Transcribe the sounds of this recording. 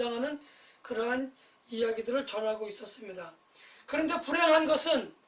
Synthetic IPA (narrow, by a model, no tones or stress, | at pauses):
aŋɦanɯnkɯɾʌɦan | ijaɡidɯɾɯɭt͡ɕʌnɦaɡois͈ʌs͈ɯmɲida | kɯɾʌnde̞pʰuɾjʌŋɦanɡʌsʰɯn